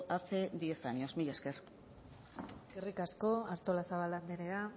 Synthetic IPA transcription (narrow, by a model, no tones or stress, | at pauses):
afe̞d̪iesaɲozmiʎeske̞r | eske̞rikasko̞aɾt̪o̞lasaβaland̪eɾeɾa